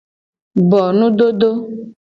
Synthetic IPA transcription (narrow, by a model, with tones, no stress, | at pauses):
bɔ˨nũ˦ɖ̪o˦ɖ̪o˦